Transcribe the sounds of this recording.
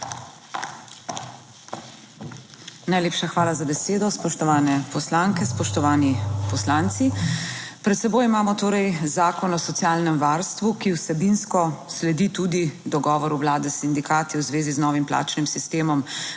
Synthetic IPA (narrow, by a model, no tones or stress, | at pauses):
najleːpʃaxʋaːlazabɛseːd̪ɔspɔʃt̪ɔʋaːnɛpɔslaŋkɛspɔʃt̪ɔʋaːnipɔslaːnt̪sipɾɛt̪sɛboːjimaːmɔt̪oːɾɛjzaːkɔnɔsɔt̪sjaːlnɛmʋaːɾst̪ʋukiwsɛbinskɔslɛd̪it̪ud̪id̪ɔɡɔːʋɔɾuwlaːd̪ɛsind̪ikaːt̪iwzʋeːziznɔːʋimpla̰ːt͡ʃnimsist̪eːmɔm